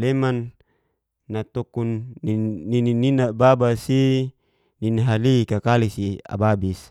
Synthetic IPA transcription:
lemanː | at̪okunːiːinininababasi | niniɦalikakalisia̰babis

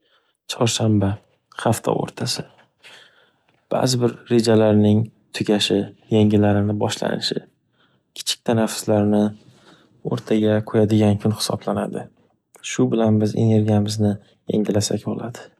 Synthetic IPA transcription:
t͡ʃʰɒɾʃamba | χaft̪ʰɒ̰o̰ɾt̪ʰasɪ | b̥a̰zɪbɪɾːe̞d͡ʒalaɾnɪŋt̪ʰʊɡʲaʃɪjeŋɪlaɾɪnɪbɒʃla̰nɪʃɪ̰ | kʲʰɪ̥t͡ʃʰɪ̥k̚ʲt̪ʰanafɪ̥slaɾnɪ | o̰ɾt̪ʰaɡʲaqʰojad̪ɪɡʲankʰʊnhɪ̥sɒblana̰d̪ɪ | ʃʊbɪlanbɪze̞̰ne̞ɾɡʲijamɪznɪ | jḛŋʲɪlasakʲbolˠad̪ɪ

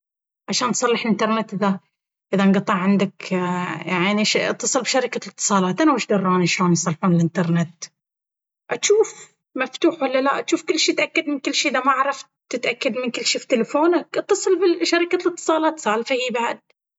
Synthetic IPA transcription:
ʕaʃaːnt̪sˤɑlːɪħɪlʔɪnt̪ɑɾˤnɪt̪ʔɪða | ʔɪðanɡɑt̪ˤːɑʕʕɪnd̪akjaʕniʃʔt̪ːɑsˤɨlbʃaɾɪkalɨt̪ːɨ̥sˤɑːlɑːt̪ʔanawɪʃd̪ɑrˤːɑːniʃloːnjsˤɑlːħuːnɪlʔɪnt̪ɑɾˤnet̪ | ʔaʃuːf | maft̪uːħwalːalaʔat̪ʃuːfkɪlːʃiːt̪ʔakːad̪mɪnkɪlːʃiːʔɪðamaʕaɾˤɑft̪ | ɪt̪ʔakːad̪mɪnkɪlːʃiːft̪ɪlafoːnakʔt̪ːɑsˤɨlbɪʃaɾɪkalɨt̪ːɨ̥sˤɑːlɑːt̪saːlfahiːbaʕd̪̚

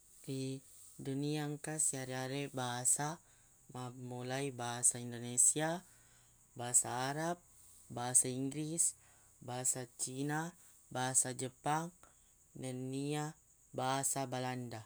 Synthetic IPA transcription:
ri | duniaŋkasiaɾeaɾebaɦasa | mamulaibaɦasaindonesia | baɦasaːɾap̚ | baɦasaiŋɡɾis | baɦasat͡ʃina | baɦasad͡ʒəpaŋ | nənːia | baɦasabalanda

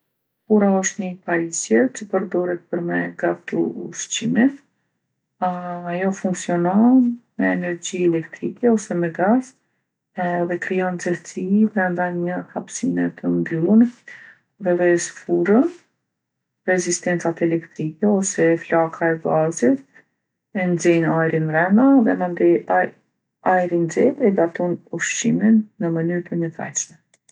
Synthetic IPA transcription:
kuɾaɔʃt̪nəpaɾisjɛt͡ʃəpəɾd̪ɔɾɛt̪̚pəɾmɛɡaft̪ṵuʃt͡ɕimit̪ | ajɔfuŋksiɔnɔmɛːnɛɾd͡ʑiɛlɛkt̪ɾikɛɔsɛmɛɡaz | ɛðɛkɾiɔnzɛɾsipɾɛnd̪aɲəhapsinɛt̪ʰəmbylˠən | ðɛðɛsfuɾən | rɛzist̪ɛnt͡sat̪ɛlɛkt̪ɾikɛɔsɛflakʰaɛɡazit̪̚ | ɛnd͡zɛjnajɾinɾɛnaðɛmənd̪i | ajɾind͡zɛt̪ɛɡat̪ɔnuʃt͡ʃiminːəmənyɾt̪əɲət̪a̰t͡ʃmɛ

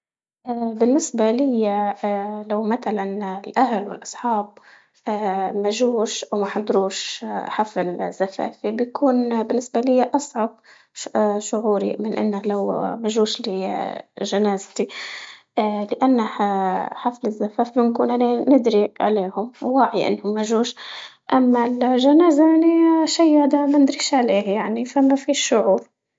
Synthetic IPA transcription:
ʔbɪnːɪsbalɪjːalawmat̪alanlʔahlwɪ̰lʔɑsˤħɑːb̚ | maʒuːʃʔawmaħad̪ɾuːʃħaflz̥ːafa̰ːfibjkʰuːnbɪnːɪsbalɪjːaʔɑsˤʕɑb̚ | ʃʊʕuːɾḭmɪnʔɪ̰nːalawmaʒuːʃli | ʒanaːzt̪i | lɪʔanːahħaflɪzːafaːfibɪnkuːnʔananɪd̪ɾiʕa̰leːhʊmwaʕjiʔɪ̰nːhʊmːaʒuːʃ | ʔamːalʒanaːzaʔaniʃajhad̪amand̪ɾiːʃʕaleːhjaʕnifamafiːʃːʊʕuːɾ

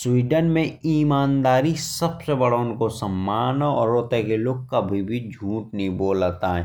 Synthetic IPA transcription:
swiːɖənmẽiːmaːnd̪aːɾisɐbsebɐɽaʊnkosɐmːaːnoɔ̰ːɾoːt̪ekeloːɡ̚kɐbʱibʱid͡ʒʱuːʈnəĩboːlat̪aɦɛː

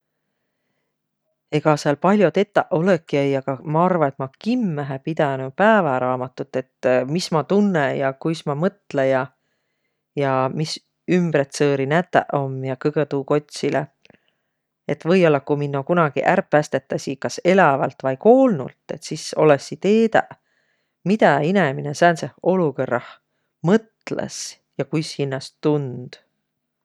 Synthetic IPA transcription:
e̞ɡ̥ɑseɑlpɑlʲjo̞t̪e̞t̪ːˑɑʔo̞lekːiæjɑkɑmɑɑrvɑet̪ˑmɑkimːæɦepid̪̥ɑnupæːvɑɾɑːmɑt̪ːˑut̪ːˑe̞t̪mismɑt̪unːejɑkujsmɑmɤt̪ˑlejɑ | jɑmis | ymb̥ɾet̪sɤːɾinæt̪ːˑæ̰ʔo̞mjɑkɤɡ̥et̪uːko̞t̪ʲsile | e̞t̪ːvɤjo̞lːɑkuminːokunɑɡ̥iʔærpːæst̪e̞t̪ːˑɑsikɑse̞lɑvɑlt̪vɑjko̞ːlnṵlt̪ːˑe̞t̪siso̞̰lesit̪e̞ːd̪ɑ̰ʔ | mid̪̥ɑineminesænseho̞lukɤrːɑh | mɤt̪lḛs | jɑkujshinːɑst̪und̪̥

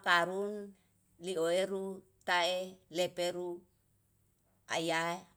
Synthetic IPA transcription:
kaɾun | lioeɾu | t̪aelepeɾu | a̰jae

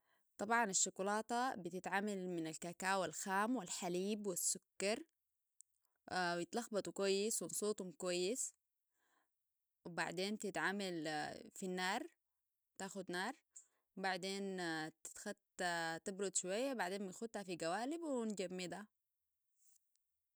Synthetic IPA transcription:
t̪ˤɑbʕɑnaʃːʊkulɑːt̪ˤɑbit̪ɪt̪ʕamalmɪnalkakaːwalxaːmwilħaliːbwasːʊkːɑɾˤ | jɪt̪lɑxbɑt̪ˤwkwajːɪswinsuːt̪ˤumkwajːɪs | wba̰ʕd̪eːnt̪ɪt̪ʕamalfinːaːɾˤ | t̪aːxud̪nɑːɾˤ | wbaʕd̪eːnt̪ɪ̥t̪xat̪t̪ɪbɾud̪ˤʃuwajːabaʕd̪eːnmajxud̪hafiɡawaːlibwind͡ʒamːɪd̪ha

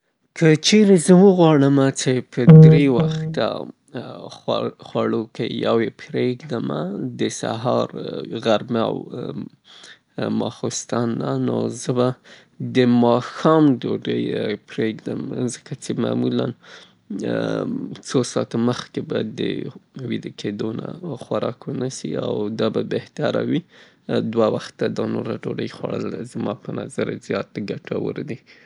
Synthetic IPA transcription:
kʰət͡ʃeɾezəwəɣwɑɽəmat͡ʃepʰəd̪ɾewaxt̪a̰ | xwaɽokejawepʰɾeɡd̪əmad̪əsa̰ɦɑɾɣaɾma̰w | mɑ̰xost̪ɑnːa̰no̰zəba | d̪əmɑxɑmd̪oɖəjpɾeɡd̪əmzəkat͡ʃema̰mulan | t͡sosɑt̪oməxkebad̪ə̰wid̪əkʰed̪ona̰xwaɾɑkwənasḭa̰wd̪ɑbabeht̪aɾa̰wi | d̪wawaxt̪ːad̪ɑnoɾaɖoɖəjxwa̰ɽə̰lzmɑpənazaɾazjɑt̪ɡaʈʰawə̰ɾd̪i

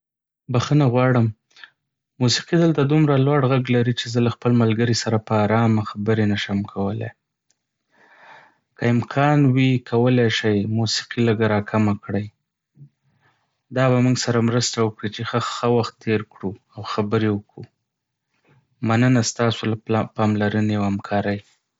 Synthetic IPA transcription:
baxənaɣwɑɽəm | musi̥qid̪əlt̪ad̪umɾalwɑɽɣaɡlaɾit͡ʃezəlaxpəlmalɡəɾisaɾapəɑɾɑmaxabəɾenaʃamkʰawəlḛ | kəɪmkʰɑnwikʰawəleʃajmusi̥qiləɡaɾɑkʰamakɽəj | d̪ɑbamuŋɡsaɾamɾəst̪awəkɽit͡ʃexəxəwaxt̪ːeɾkɽuawxabəɾewəkɽu | manənast̪ɑsolapɑmlaɾəneawhamkʰɑɾəj

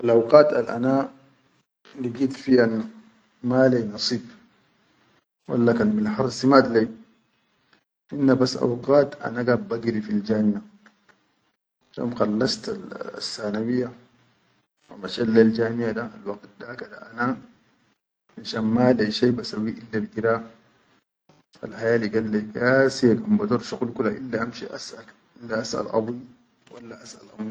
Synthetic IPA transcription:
ʔalʔawqaːt̪a̰lʔa̰naː | liɡiːt̪fihan | maːlejnɑsˤiːb̚ | wa̰lːakanmilħɑɾˤsimad̪lej | ʔinːabasːʔa̰wqaːt̪ʔa̰naɡaːbbaɡɾifild͡ʒaːnija | ʃo̰mxɑlːast̪al̰sːaːnawijːa | wa̰maʃalːald͡ʒaːnijad̪alwɑɡt̪̚d̪akad̪aʔana | maʃaːnmalaʃaːbasawiʔilːalʔiɾaː | a̰lħajaːliɡalːeɡasijakambad̪uɾˤʃuqulkulaʔilːaʔamʃiʔa̰sʔa | ilːaʔasʔa̰lʔɑ̰bi | walːaʔasʔa̰lʔami

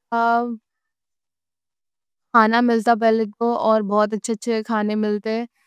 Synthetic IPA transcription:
kʰaːnamɪlt̪ap̬ɛɦlekoɔːɾbɔːt̪̬ɐtːʃʰetːʃʰekʰaːnemɪlt̪eɛ

